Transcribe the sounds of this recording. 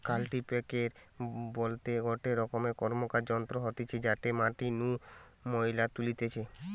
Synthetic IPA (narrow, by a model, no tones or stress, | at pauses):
kalʈipekeɾbolt̪eɡʱoʈeɾɔkomekɔɾmokaɾd͡ʑɔnt̪ɾoɦot̪et͡ɕʰed͡ʑaʈemãʈinũ | moilat̪ulit̪et͡ɕʰe